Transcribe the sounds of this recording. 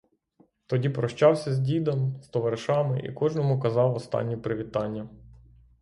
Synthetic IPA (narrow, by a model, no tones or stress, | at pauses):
t̪ɔdʲipɾɔʃt͡ʃɑwsʲɐzʲdʲid̪ɐmst̪ɔʋɐɾɪʃɑmɪ̰ʔḭkɔʒnɔmʊkɐzɑwɔst̪ɑ̰nʲːipɾɪʋʲit̪ɑnʲːɐ